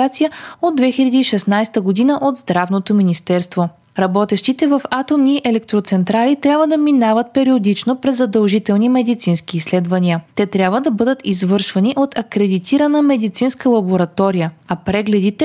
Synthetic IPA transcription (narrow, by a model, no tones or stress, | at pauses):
at̪sijəod̪ːvɛxilʲɐd̪iːʃɛsnajst̪əɡod̪inəʔod̪zd̪ɾavnot̪ominist̪ɛɾst̪vo | ɾɐbɔt̪ɛʃt̪it̪ɛvɐfat̪omniʔɛlɛk̚t̪ɾot̪sɛnt̪ɾalit̪ɾʲjabvəd̪ɐminavət̪̚pɛɾiod̪it͡ʃnopɾɛzːɐd̪ɐlˠʒit̪ɛlˠnimɛd̪it̪sinskiːsːlɛd̪vɐniət̪ɛt̪ɾʲjabvəd̪ɐbɤd̪ət̪izvɤɾʃvɐniʔot̪ʰɐkɾɛd̪it̪ʰiɾɐnəmɛd̪it̪sinskəlˠɐboɾɐt̪ɔɾijəɐpɾɛɡlɛd̪it̪ɛ